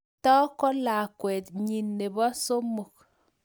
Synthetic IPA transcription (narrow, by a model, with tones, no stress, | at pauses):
tɔ˦kɔ˦la˨kwɛ˨tɲi˨nːe˨bɔ˦so˦mo˨k̚